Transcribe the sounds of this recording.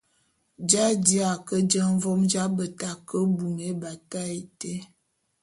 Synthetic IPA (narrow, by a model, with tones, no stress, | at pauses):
d͡ʒa˦di˦a˨kə˦d͡ʒə˦ɱ˦vɔ˦md͡ʒa˦bə˨ta˨kə˦bu˨ŋe˨˦ba˨ta˦e˨te˦